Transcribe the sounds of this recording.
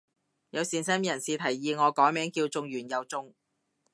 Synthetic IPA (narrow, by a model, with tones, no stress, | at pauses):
jɐ˨˧wsiː˨nsɛː˥mjɐ˨˩nsiː˨˧t̪ʰɐ˨˩jːiː˧ŋɔː˨˧kɔː˨˥mɛː˨˥ŋkiː˧wt͡sʊ˧ŋɥyː˨˩njɐ˨wt͡sʊ˧ŋ